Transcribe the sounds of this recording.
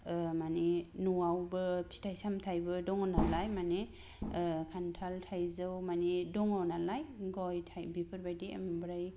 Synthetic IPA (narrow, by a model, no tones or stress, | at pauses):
maninuwawbɯpʰi̥tʰajsamtʰajbɯdɔŋɔnalajmane | kʰantʰaltʰajzɯwmanidɔŋɔnalajɡɔjtʰajbipʰɯɾbajdiḛmbɾaj